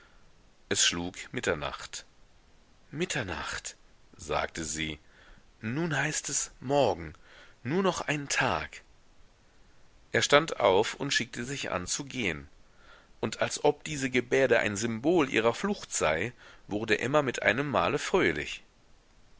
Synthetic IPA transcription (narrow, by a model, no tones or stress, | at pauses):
ʔɛsʃluːkmɪtɐna̰χt | mɪtʰɐna̰χtz̥a̰ːktʰəziː | nuːnhaɪstɛsmɔɐɡŋ̩nuːɐnɔχʔaɪntʰaːk | ʔeːɐʃtanta̰ʊfʊntʃɪk̚təzɪçʔa̰nt͡suɡeːən | ʔʊntʰalsʔɔp̚d̥iːzəɡəbeːɐɾəʔa̰ɪnzʏmboːlʔḭːʁ̞ɐflʊxtz̥aɪvʊʁdəʔɪmɐmɪtʔa̰ɪnəmːa̰ːləfʁ̥øːlɪ̰ç